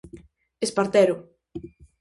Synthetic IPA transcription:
espaɾt̪ɛɾʊ

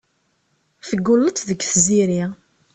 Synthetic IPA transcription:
θəɡːʊlːət͡s̪ːðəkːθziɾi

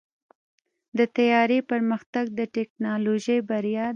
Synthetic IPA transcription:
d̪ət̪ajɑɾepəɾməxt̪aɡ̚d̪əʈek̚nɑloʒəjbaɾijɑ

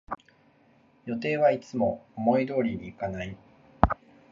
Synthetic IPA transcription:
jo̞t̪̬e̞ːβait͡sɨmo̞̰ːmo̞id̪o̞ːɾʲiɲʲiːkanai

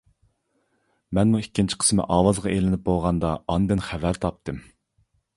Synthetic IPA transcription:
mɛnmuikʲːint͡ʃʰi̥qʰə̥smɪ̰ʔɑːwɑzʁɑʔelɪnɪp̚bolˠʁɑnd̪ɑɑnd̪ɨnχævæɾt̪ʰɑp̚t̪ʰɨm

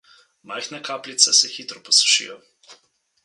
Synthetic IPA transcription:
majxnakaːplit̪sɛsɛxiːt̪ɾɔpɔsu̥ʃḭjɔ

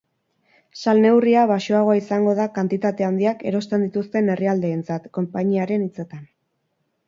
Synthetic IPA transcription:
salne̞wriaβaʃo̞aɣ̞o̞aisaŋɡo̞ð̞akant̪it̪at̪e̞and̪iake̞ɾo̞st̪e̞nd̪it̪ust̪e̞ne̞riald̪e̞ːnt͡sat̪ko̞mpaɲiaɾe̞nit͡se̞t̪an

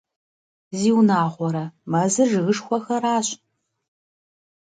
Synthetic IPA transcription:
ziːwnaːʁʷɔɾɐmɐzɨʒɨɣɨʂxʷɔxɐɾaːɕʼ

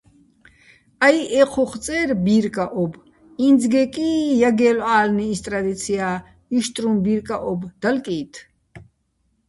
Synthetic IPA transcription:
ajʔɛqʰɔχt͡sʼɛːɾbiːɾkʼaʔɔb | ind͡zɡɛkʼiːjaɡɛːlaːlniːst̪ʼɾad̪it̪sʰiaː | iʃt̪ʼɾumbiɾkʼaʔɔbd̪̥alkʼiːt̪ʰ

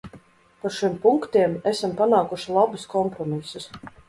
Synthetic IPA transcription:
paɾʃimpuŋkt̪iɛmæsampanaːkuʃilˠabɨskɔmpɾɔmisus

